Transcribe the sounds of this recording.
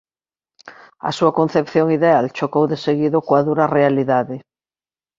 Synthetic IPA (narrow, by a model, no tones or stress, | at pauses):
a̰suakon̟θepθjoŋiðealt͡ʃokowðeseɣiðokwaðuɾarealiðaðe